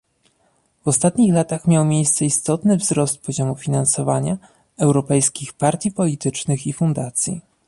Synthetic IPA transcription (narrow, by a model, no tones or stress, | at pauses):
vɔst̪at̪ɲixlat̪axmʲjawmʲjejst̪sɛist̪ɔt̪nɘvzɾɔst̪̚pɔʑɔmufʲinansɔvaɲa | ɛwɾɔpɛjskʲixpaɾt̪ʲjipɔlʲit̪ɘt͡ʂnɘxifund̪at̪sʲjḭ